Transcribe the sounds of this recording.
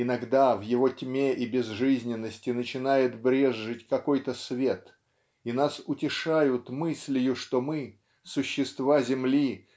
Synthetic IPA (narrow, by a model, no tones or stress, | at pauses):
ɪnɐɡd̪avjɪvo̞tʲmʲeʔibʲɪzʐɨzʲnʲɪnːəsʲtʲɪnət͡ɕɪnajɪt̪bɾʲe̞ʐːɨtʲkɐko̞jt̪əsvʲe̞t̪ | inasʊtʲɪʂajʊt̪mɨsʲlʲɪjʊʂt̪o̞mɨ | sʊɕːɪst̪vazʲɪmlʲi